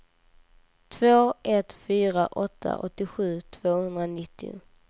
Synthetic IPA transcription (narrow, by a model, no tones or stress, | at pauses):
t̪ʰvoːʔɛt̪fyːɾaʔɔt̪ʰːa̰ʔɔt̪ːɪɧʉ̟ːt̪ʰv̥oːhɵnd̪ɾanɪt̪ːɪʊ̰